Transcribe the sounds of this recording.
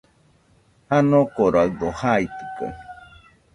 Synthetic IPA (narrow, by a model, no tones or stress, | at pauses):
hanõkoɾaɯd̪ohait̪i̥ko̰